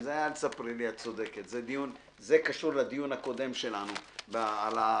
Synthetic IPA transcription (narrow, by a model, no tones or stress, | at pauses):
zeajalsapʁiliat͡so̞d̪e̞ket̪zed̪ijun | zekaʃuʁlad̪ijunhako̞d̪e̞mʃe̞lanubaala